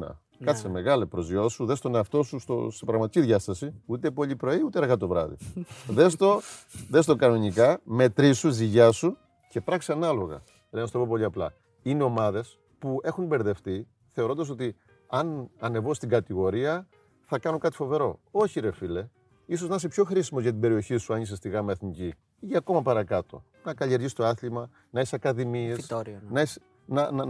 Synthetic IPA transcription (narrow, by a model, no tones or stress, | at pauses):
ɐ̰ | kɐt̪iseme̞ɣɐlepɾo̞zjo̞suðest̪oneɐft̪o̞sust̪o̰sepɾɐɣmɐt̪iciðʝɐst̪ɐsiut̪e̞po̞ʎipɾo̞iut̪eɾɣɐt̪o̞vɾɐ̰ðḭðest̪o̞ðe̞st̪o̞kɐno̞nikɐme̞t̪ɾisuziʝɐsu | ce̞pɾɐksiɐnɐlo̞ɣɐ̰ | ɾenɐst̪opop̬o̞ʎiɐplɐ̰ | ineo̞mɐðe̞s | pue̞xumbe̞ɾðe̞fθi | θe̞o̞ɾo̞nd̪ɐs̬o̞t̪i | ɐnɐne̞vo̞st̪iŋɡɐt̪iɣo̞ɾiɐ | θɐkɐnuŋkɐt̪i̥fo̞ve̞ɾo̞o̞çiɾefile̞ | is̬o̞znɐs̬epço̞xɾisimozʝɐt̪ibe̞ɾio̞çisuɐnisest̪iɣɐmeɐθnici | ʝɐko̞mɐpɐɾɐkɐt̪o̞̰ | nɐkɐʎieɾʝist̪o̞ɐθlimɐ | nɐesɐkɐðimiessnɐes | nɐɐ